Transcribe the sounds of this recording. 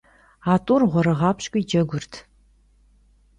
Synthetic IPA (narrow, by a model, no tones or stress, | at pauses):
aːtʼuːrʁʷɔɾɐʁɑːpʰɕkʷʼiːd͡ʒɐɡʷʊrtʰ